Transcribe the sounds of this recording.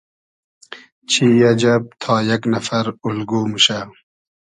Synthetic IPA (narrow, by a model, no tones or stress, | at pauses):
t͡ɕʰiːjɐd͡ʑɐb̚t̪ʰaːjɐknɐfɐɾulɡuːmuɕa